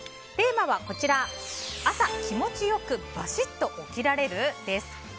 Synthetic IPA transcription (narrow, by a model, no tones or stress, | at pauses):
t̪e̞ːmaβako̞t͡ɕiɾaasakʲimo̞t͡ɕijo̞kɯ̟b̥aɕit̪ːo̞ʔokʲiɾaɾe̞ɾɯ̟d̪̥e̞sɨ̥